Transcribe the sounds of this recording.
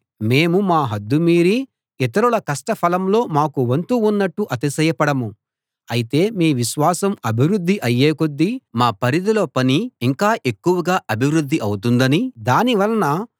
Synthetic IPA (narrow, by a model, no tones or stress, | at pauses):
me̞ːmumaːɦɐd̪ːumiːɾi | it̪ɐɾuɭɐkɐʂʈɐpʰɐlɐmlo̞ːmaːkuʋɐnt̪uːnːɐʈːuʔɐt̪isɐjɐpɐɽɐmu | ɐjit̪e̞ːmiːʋiʃʋaːsɐmɐbʱiʋɾud̪ʱːiʔɐjːeːkod̪ːimaːpɐɾid̪ɐloːpɐniːŋkaːʔe̞kːuʋɐɡaːʔɐbʱiʋɾud̪ʱːiʔɐwut̪̬und̪ɐnid̪aːniʋɐlɐnɐ